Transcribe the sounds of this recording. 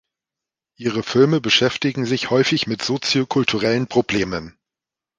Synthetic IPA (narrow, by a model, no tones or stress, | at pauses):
ʔiːʁəfɪlməbəʃɛftɪɡŋ̩zɪçhɔʏfɪçmɪtz̥ot͡sjokʰʊltʰuʁɛlənpʁ̥obleːmən